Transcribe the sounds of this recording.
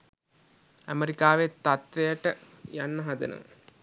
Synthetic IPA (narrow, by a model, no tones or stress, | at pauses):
æ̰meɾikaːʋet̪ːat̪ʋejəʈə | janːəɦad̪ḛnə̰